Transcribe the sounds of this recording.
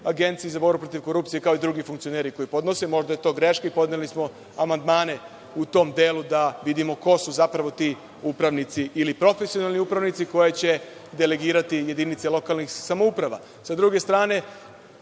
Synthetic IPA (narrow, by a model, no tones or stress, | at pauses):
aɡe̞nt̪sijizaboɾbupɾo̞t̪iʋko̞ɾuːp̚t̪sijekaoid̪ɾuɡifuŋkt̪sijo̞neɾiko̞ipo̞d̪no̞se̞mo̞ʒd̪ajet̪o̞ːɡɾe̞ʃkeipo̞d̪nelismo̞ | amand̪maːne̞ | ut̪o̞md̪e̞ːlud̪aʋid̪imo̞ko̞suzapɾaʋo̞t̪i | upɾaʋnit̪siʔːlipɾo̞fesionalniupɾaʋnit̪siko̞jet͡ɕe̞ | d̪e̞le̞ɡiːɾat̪ije̞d̪init̪selo̞kalnixsamoupɾaʋa̰ | sad̪ɾuɡe̞st̪ɾaːne̞